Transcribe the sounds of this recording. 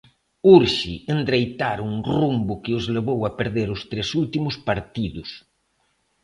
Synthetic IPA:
uɾʃiend̪ɾejt̪aɾuŋrumbʊkɪʊzleβowapeɾðeɾʊst̪ɾesult̪imʊspaɾt̪iðʊs

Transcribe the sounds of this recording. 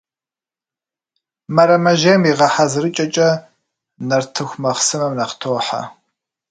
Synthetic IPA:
mɐɾɐmɐʒeːmiʁɐħazɨɾɨt͡ʃʼɐt͡ʃʼɐ | nɐrtʰɨxʷmɐχsɨmɐmnɐχtʰoːħa̰

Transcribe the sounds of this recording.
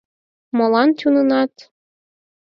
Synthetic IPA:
mɤ̆lɑnt̪ʲunɤnɑt̪

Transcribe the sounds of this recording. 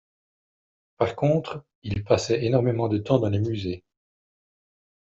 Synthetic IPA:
paʁkɔ̃t̪χ | ilpasɛenɔʁmemɑ̃d̪ət̪ɑ̃d̪ɑ̃lemyze

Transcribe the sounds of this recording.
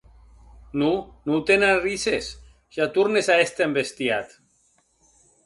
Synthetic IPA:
nunut̪enarises | ʒ̥at̪uɾnesaest̪embest̪iat̪

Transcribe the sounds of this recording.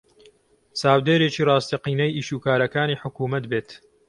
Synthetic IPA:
saːwd̪eːɾeːt͡ʃiːrɑːst̪iqiːnɐjiːʃuːkaːɾɐkaːniːħʊkuːmɐt̪beːt̪

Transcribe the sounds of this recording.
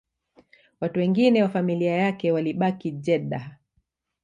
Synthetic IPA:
watuwɛŋɡinɛwafamiliajakɛwaliɓakid͡ʒɛɗa

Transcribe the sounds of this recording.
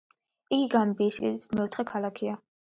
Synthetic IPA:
iɡiɡambiːskʼḭd̪it̪ʰmɛɔt̪ʰχɛkʰalˠakʰia

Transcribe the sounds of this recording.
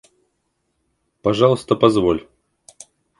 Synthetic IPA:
pɐʐɑlˠəst̪əpɐzvolʲ

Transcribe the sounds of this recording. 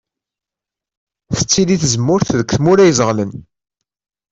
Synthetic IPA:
θə̥t͡sːiliθzəmːʊɾθðəkθmʊɾæjzəʁlən

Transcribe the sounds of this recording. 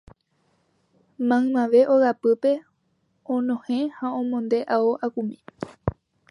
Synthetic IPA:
mãmãʋe̞ʔoɣapɨpe̞ | õnõhẽhaõmõnd̪e̞ʔaoʔakumĩ

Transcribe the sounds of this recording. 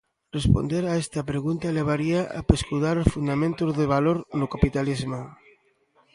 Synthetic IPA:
respo̰nd̪eɾaest̪ɐpɾeɣunt̪aleβ̞aɾiaʔa̰peskuðaɾosfund̪amẽnt̪ozðeβ̞aloɾnokapit̪alizmo

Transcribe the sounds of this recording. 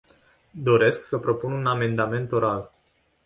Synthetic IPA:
d̪o̞ɾe̞sksəpɾo̞pununame̞nd̪ame̞nt̪o̞ɾal

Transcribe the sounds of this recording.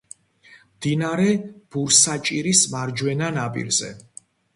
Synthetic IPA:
md̪inaɾɛb̥uɾsat͡ʃʼiɾismaɾd͡ʒwɛnanapʼḭɾzɛ̰

